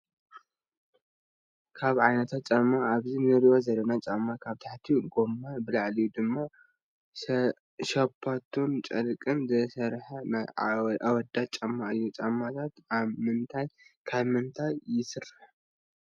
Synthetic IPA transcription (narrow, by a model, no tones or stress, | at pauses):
kʰaβʕajnɐt̪ʰat̪̚t͡ʃʼɐmːaaβzinɨɾiwozɐlːɐnat͡ʃʼamːakʰaβt̪ʰaħt̪ʰiɡomːabɨlaʕlijud̪ɨmːa | ʃɐpʰːat̪ʰont͡ʃʼɐlkʼɨnzɨsɐɾħɐnaawɔd̪at͡ʃʼɐmːaʔɨjːut͡ʃʼamːat̪ʰat̪aβmɨnt̪ʰajkʰaβmɨnt̪ʰajːɪsɨrːɨħ